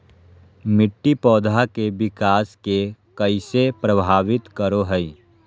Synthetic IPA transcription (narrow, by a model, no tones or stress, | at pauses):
mɪʈːipɔːd̪ʱakebɪkaːskekɐɪsepɾɐbʱaːʋɪt̪kəɾoɦəi